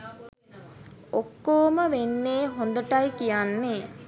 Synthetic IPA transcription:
okːoːməʋenːeːɦond̪əʈajkijanːe

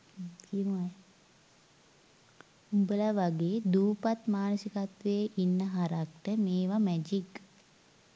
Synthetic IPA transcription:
kimoa | umbəlaʋaɡeːd̪uːpat̪maːnəsikat̪ʋeʔinːəɦaɾak̚ʈəmeːʋamæd͡ʒik

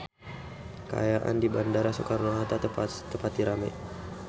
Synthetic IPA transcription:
ka̰jaʔa̰ndibandaɾasokaɾnaɦat̪at̪əpat̪̚diɾama̰j

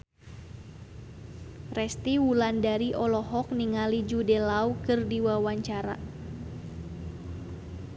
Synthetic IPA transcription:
rɛst̪iwulandaɾiʔɔlɔɦɔk̚niŋalid͡ʒudɛlaukɨrdiwawaɲt͡ʃaɾa̰

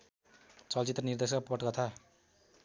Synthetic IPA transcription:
t͡sʌlt͡sit̪rʌnird̪es̬pʌʈɡʌt̪ʰa

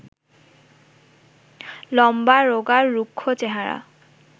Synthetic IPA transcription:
lɔmbaɾoɡaɾːukʰːot͡ɕeɦaɾa̰

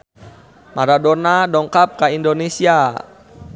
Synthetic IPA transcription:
maɾadɔrnadɔŋkap̚kaindonesia

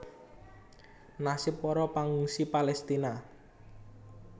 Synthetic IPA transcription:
nasɪpːɔɾɔpaŋuŋsipalɛst̪ina

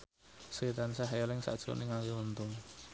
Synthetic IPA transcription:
sit̪ansaɦjɔlɪŋsa̰ʔd̥ʒ̥o̰ʔniŋakiunt̪ʊŋ

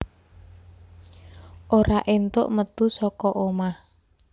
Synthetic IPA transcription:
ʔoɾaʔent̪ʊ̰ʔmət̪usɔkɔʔomah

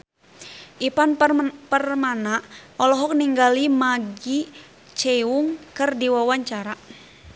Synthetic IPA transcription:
ʔipanpərmanaʔɔlɔɦɔk̚niŋɡalimaɡi | t͡ʃɛuŋkɨrdiwawaɲt͡ʃaɾa

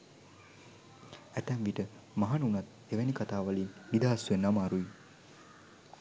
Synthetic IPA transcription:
æt̪ɛmʋiʈə | maɦanunat̪ | eʋænikat̪aːʋalinːid̪aːsʋenamaɾui

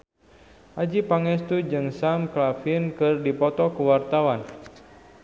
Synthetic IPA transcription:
ʔad͡ʒipaŋɛst̪ud͡ʒɨŋsamklafinkɨrdipɔt̪ɔkuwart̪awan

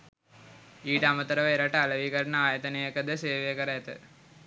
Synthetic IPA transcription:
iːʈəamət̪əɾəʋəeɾaʈəaləʋiːkəɾənəaːjət̪ənejəkəd̪əseːʋejəkəɾəæt̪ə̰

